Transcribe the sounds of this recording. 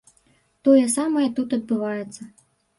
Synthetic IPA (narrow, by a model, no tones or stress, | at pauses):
t̪ɔjɛsamɐjɛt̪ut̪ɐd̪̚bɨvajɛt̪sːɐ